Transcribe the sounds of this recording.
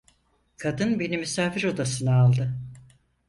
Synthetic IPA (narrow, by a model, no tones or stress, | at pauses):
kʰad̪ɯnbe̞nimysaːfiɾo̞d̪asɯnaalˠd̪ɯ